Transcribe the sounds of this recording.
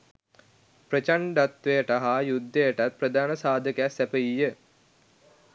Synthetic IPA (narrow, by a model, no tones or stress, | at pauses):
pɾət͡ʃaɳɖat̪ʋejəʈaɦajud̪ːejəʈat̪̚prəd̪ʱaːnəsaːd̪ʱəkasæpəjijə